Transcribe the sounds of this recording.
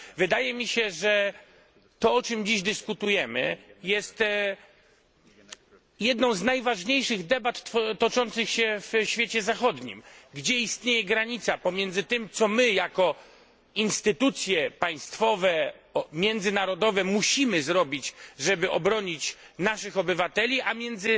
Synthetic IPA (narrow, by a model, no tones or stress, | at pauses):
vɘd̪ajɛmʲiɕɛʐɛ | t̪ɔɔt͡ʂɘmd͡ʑiʑd̪ɘskut̪ujɛmɘ̰jɛst̪ | jɛd̪nɔ̃w̃znajvaʐɲejʂɘɣd̪ɛbat̪ːt̪ɔt͡ʂɔnt̪sɘxɕɛvɕfʲet͡ɕɛzaxɔd̪ɲḭmɡd͡ʑɛist̪ɲejɛɡɾaɲit̪sapɔmʲjɛnd̪zɘt̪ɘmt̪sɔmɘjakɔ | inst̪ɘt̪ut̪sʲjɛpaj̃st̪fɔvɛmʲjɛnd̪zɘnaɾɔd̪ɔvɛmuɕimɘzɾɔbʲit͡ɕʐɛbɘʔɔbɾɔɲit͡ɕ | naʂɘxɔbɘvat̪ɛlʲiʔamʲjɛnd̪zɘ